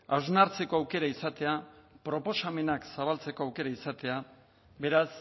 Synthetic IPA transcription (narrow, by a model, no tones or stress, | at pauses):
awznaɾt͡se̞ko̞awke̞ɾaisat̪e̞apɾo̞po̞same̞naksaβ̞alt͡se̞ko̞awke̞ɾaisat̪e̞a | βe̞ɾas